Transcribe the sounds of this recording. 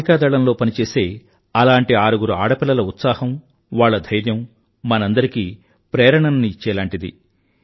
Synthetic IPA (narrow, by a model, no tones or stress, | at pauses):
ikaːd̪ɐɭɐnlo̞ːpɐnit͡ʃe̞ːse̞ː | ɐlaːɳʈiaːɾuɡuɾua̰ːɽɐpilːɐlɐut̪saːhɐm | ʋaːɭːɐd̪ʱɐjɾjɐm | mɐnɐnd̪ɐɾikiː | pɾɛːɾɐɳɐnniit͡ʃːɛːlaːɳʈid̪ḭ